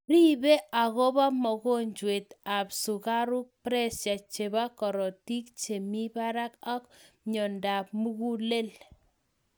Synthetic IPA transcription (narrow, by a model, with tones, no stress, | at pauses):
ɾi˦be˦ʔa˨ɣo˦βa˦mɔ˨ɣo˦ɲd͡ʒwe˨ta˨psu˨ɣa˦ɾu˦pɾɛ˦sja˨t͡ʃe˨βa˦kɔ˨ɾɔ˨ti˦k̚t͡ʃe˨mi˦ba˦ɾa˦kɔ˦k | ɲɔ˨nda˨pmu˦ɣu˦le˦l